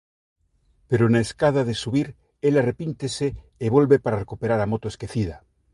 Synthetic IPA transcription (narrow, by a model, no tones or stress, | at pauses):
peɾonaeskað̞aðesuβiɾ | elarepint̪eseː | βolβepaɾarekupeɾaɾamot̪oeskeθiða